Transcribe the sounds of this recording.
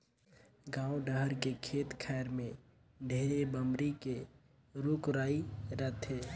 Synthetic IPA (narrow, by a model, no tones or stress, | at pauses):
ɡãːuɖəɦəɾkekʰeːt̪kʰaɪɾmẽ | ɖʱeːɾebəmɾike | ɾukɾaːiɾət̪ʰe